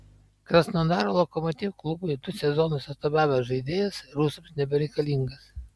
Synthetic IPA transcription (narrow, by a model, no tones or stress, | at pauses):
kɾɐsnod̪ɑːɾoːlˠokɔmɔt̪ʲiːʋklˠʊbʊɪd̪ʊsʲɛzɔnʊsʲɐst̪obʲæːʋʲɛʒɐɪd̪ʲeːjɛsɾuːsʊmsnʲɛbʲɛɾʲɛɪkɐlʲiŋɡɐs